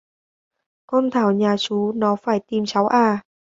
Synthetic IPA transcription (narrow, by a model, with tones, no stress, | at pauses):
kɔ˧nt̪ʰaː˧˩wɲaː˨˩t͡ɕu˨˦nɔ˨˦faː˧˩jt̪i˨˩mt͡ɕa˨˦wʔaː˧˩